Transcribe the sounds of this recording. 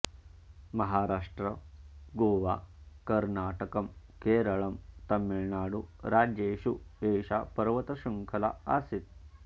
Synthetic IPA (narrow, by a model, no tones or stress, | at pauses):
mɐɦaːɾaːʂʈɾɐɡoːʋaːkɐɾnaːʈɐkɐmkeːɾɐɭɐmt̪ɐmːiɭɳaːɽuɾaːd͡ʒjeːʃueːʃaːpɐɾɐʋɐt̪ɐʃɐŋkʰɐlɐ̰a̰sit̪̚